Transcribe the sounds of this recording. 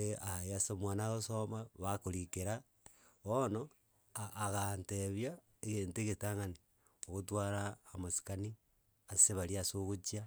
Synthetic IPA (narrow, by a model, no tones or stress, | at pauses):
eajasomwanaɣosomaβakoɾikeɾa | βono | aʔːɣanteβja | eɣeːnteɣetaŋane | oɣotwaɾaːmasi̥kani | aseβaɾiasoɣot͡ʃia